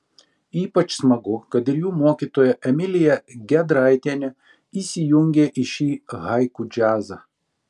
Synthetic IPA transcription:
iːpɐt͡ʃsmɐɡʊkɐt̪ɪɾjuːmoɔkʲit̪oːjɛʔɛmʲɪlʲɪjɛɡʲɛd̪ɾɐɪt̪ʲiɛnʲɛ | iːsʲɪjʊŋʲɡʲeʔɪʃʲiːɣɐɪkʊd͡ʒʲæːzɐ

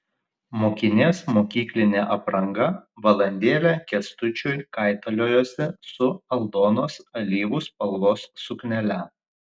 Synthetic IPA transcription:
moːkʲɪnʲeːsmoːkʲiːklʲɪnʲeːʔɐpɾɐŋɡɐʋɐlˠɐnʲd̪ʲeːlʲɛkʲɛst̪ʊt͡ʃʲʊjkɐˑɪt̪ɐlʲoːjoːsʲɛsʊɐlˠd̪oːnoːsɐlʲiːʋʊspɐlˠʋoːsːʊknʲɛlʲɛ

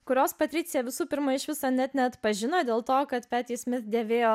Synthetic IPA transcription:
kʊɾʲoːspɐt̪ʲɾʲɪt̪sʲɪjɛʋʲɪsuːpʲɪɾmɐɪʃʋʲɪsoːnʲɛt̪nʲɛɐt̪pɐʒʲɪnoːd̪ʲeːlˠt̪oːkɐt̪pʲæːt̪ʲiːsʲmʲɪt̪d̪ʲeːʋʲeːjoː

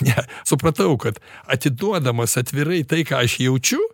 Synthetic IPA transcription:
nʲɛsʊpɾɐt̪ɐʊkɐt̪ɐt̪ʲɪd̪uɔd̪ɐmɐsɐt̪ʲʋʲɪɾɐɪt̪ɐɪkɑːɐʃjɛʊt͡ʃʲʊ

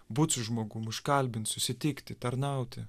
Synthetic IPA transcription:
bʊt̪sʲʊʒmoːɡʊmʊʃkɐlʲbʲɪnt̪sʊsʲɪt̪ʲɪkt̪ʲɪt̪ɐɾnɑˑʊt̪ʲɪ

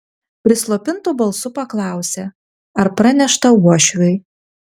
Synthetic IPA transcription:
pʲɾʲɪslˠopʲɪnt̪uːbɐlˠsʊpɐklˠɑˑʊsʲe | ɐɾpɾɑnʲɛʃt̪ɐuɔʃʲɾʲʊɪ

